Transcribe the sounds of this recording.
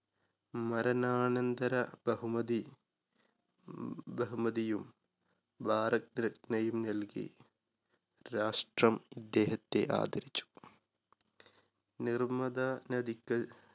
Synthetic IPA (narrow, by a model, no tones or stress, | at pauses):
mɐɾɐnaːnɐnd̪ɐɾɐbɐɦumɐd̪i | bɐɦumɐd̪ijum | baːɾɐk̚nɾɐknɐjumnɐlkḭ | ɾaːʂʈrɐmid̪ːeːɦɐt̪ːḛʔa̰ːd̪ʱɐɾit͡ʃːu̥ | nirmɐd̪anɐd̪ikːɐ